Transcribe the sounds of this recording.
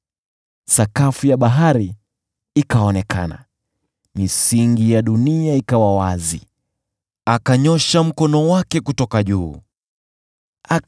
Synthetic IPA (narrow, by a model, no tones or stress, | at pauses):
sakafujaɓaɦaɾi | ikaɔnɛka̰na̰ | misiŋɡijaɗuniaikawawazi | akaɲɔʃam̩kɔnɔwakɛkutɔkaʄuː | a